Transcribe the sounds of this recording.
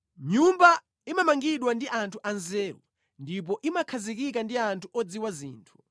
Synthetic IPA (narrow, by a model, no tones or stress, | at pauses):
ɲumba | imamaŋɡiɗwandiʔantʰuʔanzɛːwṵ | ndip̬ɔʔimakʰazikik̬andiantʰuʔɔd͡ziwazḭːntʰu̥